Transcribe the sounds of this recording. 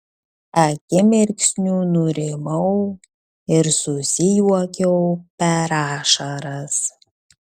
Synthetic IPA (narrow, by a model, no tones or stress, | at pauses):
ɐkʲɪmɪɾʲkʲsʲnʲuːnuɾʲemɐw | ɪɾsusʲijuɔkʲɛwpʲɛɾaːʃɐɾɐs